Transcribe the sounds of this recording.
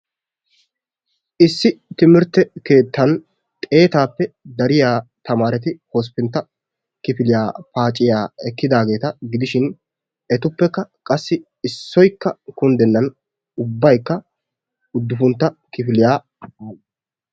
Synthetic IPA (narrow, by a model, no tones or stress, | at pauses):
ʔɪsːɪt̪ɪmɪɾt̪ːɛke̞ːt̪ːɐn | t̪ʼe̞ːt̪aːpːɛd̪ɐɾɪjaːt̪ɐmaːɾɛt̪ɪhos̬pːɪnt̪ːɐ | kɪfɪlɪjaːpaːt͡ʃʼːɪjaːɛkːɪd̪aːɡe̞ːt̪ɐɡɪd̪ɪʃɪn | ɛt̪ʊpːɛkːɐkʼɐsːɪ | ɪsːɔjkːɐkʊnd̪ɛnːɐn | ʊbːɐjkːɐ | ʊd̪ːʊfʊnt̪ːɐkɪfɪlɪjaː | baːl